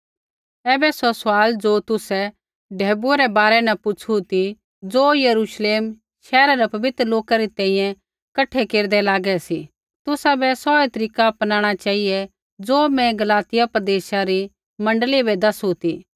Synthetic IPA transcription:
ɛːbɛsɔsʊaːld͡ʒot̪ʊsɛ | ɖʱɛːbuɾɛbaːɾɛnɛpʊt͡ʃʰut̪i | d͡zoːjɐɾuːʃleːm | ʃɛːɾaɾɛpɐbɪt̪ɾəloːkaɾit̪ɛ̃ːĩjɛ̃ | kɐʈʰɛkeːɾd̪ɛlaːɡɛsi | t̪ʊsabɛsɔːet̪ɐɾiːkapɐnaːɽ̃at͡ʃaːijɛ | d͡zoːmɛ̃ɡɐlaːt̪ɪjapɾɐd̪eːʃaɾi | mɐ̃ɳɖəlibɛd̪ɐsut̪iː

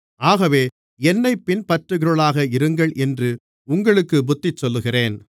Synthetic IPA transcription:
aːɣɐʋeː | ɛnːɐɪpːɪnpɐʈrɯɣɪɾɯɭaːɣɐɪɾɯŋɡɐɭʔɛndrɯ | ʊŋɡɐɭɯkːɯbʊt̪ːɪt͡ʃːɔlːɯɣɪreːn

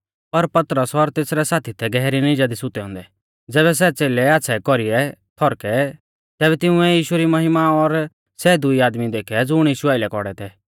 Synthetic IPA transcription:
pɐɾpɐt̪ɾəsɔɾt̪eːsɾɛsaːt̪ʰit̪ʰɛɡɛɦɾinĩd͡ʒad̪isʊt̪ɛɦʊ̃ːnd̪ɛ | d͡zɛːβɛs̬ɛt͡seːlɛaːsʰɛkɔɾiɛt̪ʰɔɾkɛ | t̪ɛːbɛt̪ɪʊ̃ɛ̃jiːʃʊɾimɐɦɪmaɔɾ | sɛd̪ʊiaːd̪mid̪eːkʰɛd͡zʊɽ̃jiːʃuaːɪlɛkɔɽɛt̪ʰɛː

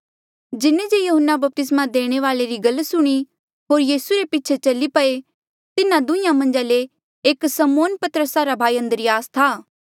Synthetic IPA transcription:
d͡ʒɪned͡ʒejʊɦənːabɐp̚t̪ɪsmad̪eːɽ̃eʋaːleɾiɡɐlːsʊɽ̃i | ɦoːɾjiːsuɾepɪːt͡ʃʰet͡ʃɐlipɐe | t̪ɪnãd̪ʊ̃ĩjãmɐ̃nd͡ʒaleː | ksɐmoːnpɐt̪əɾəsaɾabʱaːiɐ̃nd̪əɾiaːst̪ʰaː

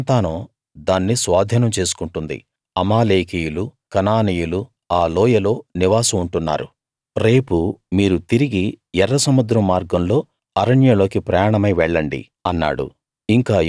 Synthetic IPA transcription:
nt̪aːnoː | d̪aːnːisʋaːd̪ʱjɐnɐmt͡ʃe̞ːsu̥kuɳʈund̪ḭ | ɐmaːleːkijulukɐnaːnijulu | aːlɔːjɐlo̞ːniʋaːsɐuɳʈunːa̰ːɾṵ | ɾe̞ːpumiːɾut̪iɾiɡijɛrːɐsɐmud̪ɾɐmːaːɾɡɐmlo̞ː | ɐɾɐɳjɐlo̞ːkipɾɐjaːɳɐmɐjʋɛɭːɐɳɖḭ | ɐnːa̰ːɽṵ | iŋkaː

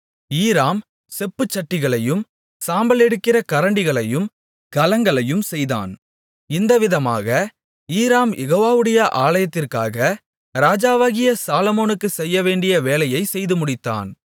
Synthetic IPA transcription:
iːɾaːm | sɛpːɯt͡ʃːɐʈːɪɣɐɭɐjɯm | saːmbɐlɛɽɯkːɪɾɐkɐɾɐɳɖɪɣɐɭɐjɯm | kɐlɐŋɡɐɭɐjɯmsɛjða̰ːn | ɪnd̪ɐʋɪðɐma̰ːɣɐ | iːɾaːmjɛɣoːʋaːʋɯɽɐjɐʔaːlɐjɐt̪ːɪrka̰ːɣɐ | ɾaːd͡ʒaːʋaːɣɪjɐsaːlɐmoːnɯkːɯsɛjːɐʋeːɳɖɪjɐʋeːlɐjɐɪsɛjðɯmʊɽɪt̪ːa̰ːn

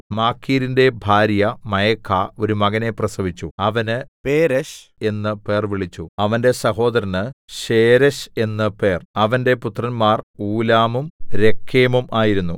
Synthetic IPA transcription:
maːkʰːiːɾinde̞bʱaːɾjɐmɐjɐkʰːaːo̞ɾumɐɣɐne̞prɐsɐʋit͡ɕːuɐʋɐnɨpeːɾɐɕ | e̞nːɨpe̞ːrʋiɭit͡ɕːuɐʋɐnde̞sɐɦo̞ːd̪ɐɾɐnɨɕeːɾɐɕe̞nːɨpe̞ːrɐʋɐnde̞put̪rɐnmaːruːlaːmumɾe̞kʰːeːmumaːjiɾunːu

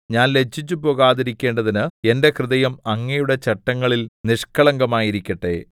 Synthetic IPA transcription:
ɲaːnle̞d͡ʑːit͡ɕːupo̞ːɣaːðiɾikʲːe̞ːɳɖɐðinɨe̞nde̞krɨðɐjɐmɐŋːɐjuɽe̞t͡ɕɐʈːɐŋːɐɭilniʂkɐɭɐŋɡɐmaːjiɾikʲːɐʈːe̞̰ː

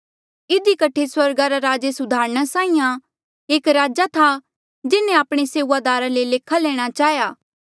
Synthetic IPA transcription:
ɪd̪ikɐʈʰːeswɐɾɡaɾaɾaːd͡ʒesʊd̪ʱaːɾɽ̃asaːĩjã | eːkɾaːd͡ʒat̪ʰa | d͡ʒɪnẽaːpɽ̃eseːuʋad̪aːɾaleleːkʰalɛːɽ̃at͡ʃaːjaː

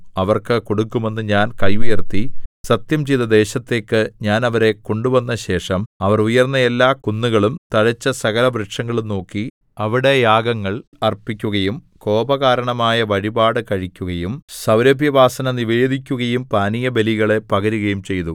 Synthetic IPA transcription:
ɐʋɐrkɨko̞ɽukːume̞nːɨɲaːnkɐjujɐrt̪ːisɐt̪jɐmt͡ɕejðɐd̪e̞ːɕɐt̪ːe̞ːkːɨɲaːnɐʋɐɾe̞ko̞ɳɖuʋɐnːɐɕe̞ːʂɐmɐʋɐrujɐrnːɐe̞lːaːkunːuɣɐɭumt̪ɐɻɐt͡ɕːɐsɐɣɐlɐbɾɐʈʂɐŋːɐɭumno̞ːkːi | ɐʋiɽe̞jaːɡɐŋːɐɭɐrpikʲːuɣɐjum | ko̞ːbɐɣaːɾɐɳɐmaːjɐʋɐɻibaːɽɨkɐɻikʲːuɣɐjumsɐwɾɐbʱjɐʋaːsɐnɐniʋeːd̪ʱikʲːuɣɐjumpaːnijɐbe̞liɣɐɭe̞pɐɣɐɾuɣɐjumt͡ɕe̞jt̪u

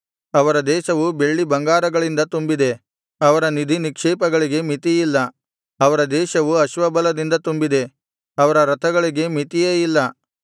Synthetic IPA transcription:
ɐʋɐɾɐd̪ɛːʃɐʋube̞ɭːibɐŋɡaːɾɐɡɐɭind̪ɐt̪umbid̪e̞ | ɐʋɐɾɐnid̪ʱinikʂɛːpɐɡɐɭiɡe̞mit̪ijilːɐ | ɐʋɐɾɐd̪ɛːʃɐʋuɐʃʋɐbɐlɐd̪ind̪ɐt̪umbid̪e̞ | ɐʋɐɾɐɾɐt̪ʰɐɡɐɭiɡe̞mit̪ijeːjilːɐ

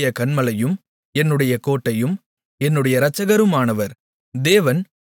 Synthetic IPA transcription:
jɐkɐɳmɐlɐjɯm | ɛnːɯɽɐjɐkoːʈːɐjɯm | ɛnːɯɽɐjɐɾɐt͡ʃːɐɣɐɾɯmaːnɐʋɐɾ | d̪eːʋɐn

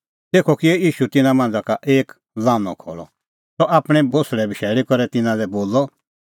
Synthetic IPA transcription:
t̪eːkʰɔkiɛiːʃut̪ɪnãmãːnd͡zakaʔeːk | laːnɔ̰̃kʰɔ̰ːɭɔ̰ | t̪ɔʔaːpɽ̃ɛbosɭɛbʱiʃɛːlikɔɾɛt̪ɪnãlɛboːlɔ

